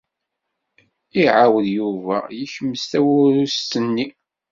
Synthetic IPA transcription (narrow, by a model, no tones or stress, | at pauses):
iʕawðjuvæjiçəmːəst̪æwʊɾust̪ənːi